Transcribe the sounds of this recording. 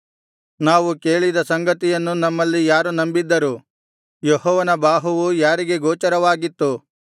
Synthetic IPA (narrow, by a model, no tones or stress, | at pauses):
naːʋuke̞ːɭid̪ɐsɐŋɡɐt̪ijɐnːunɐmːɐlːijaːɾunɐmbid̪ːɐɾu | jeɦɔːʋɐnɐbaːɦuʋujaːɾiɡe̞ɡoːt͡ʃɐɾɐʋaːɡit̪ːu